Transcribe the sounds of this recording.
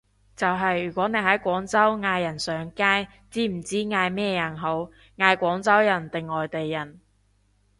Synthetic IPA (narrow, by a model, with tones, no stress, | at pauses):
t͡sɐ˨wɦɐ˨jyː˨˩kʷɔː˨˥ne˨˧jɦɐ˨˥jkʷɔː˨˥ŋt͡sɐ˥wŋaː˧jːɐ˨˩nsœː˨˥ŋkaː˥j | t͡siː˥m̩˨˩t͡siː˥ŋaː˧jmɛː˥jɐ˨˩nɦo˨˥w | ŋaː˧jkʷɔː˨˥ŋt͡sɐ˥wjɐ˨˩nt̪ɪ˨ŋːɔː˨jt̪e˨jːɐ˨˩n